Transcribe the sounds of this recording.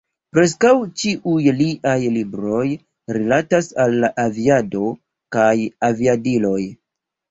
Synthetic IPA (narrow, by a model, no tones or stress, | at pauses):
pɾe̞s̬kawt͡ʃiʔujliʔajlibɾo̞j | ɾilatasalːaʔaviado̞ | kajaviadilo̞j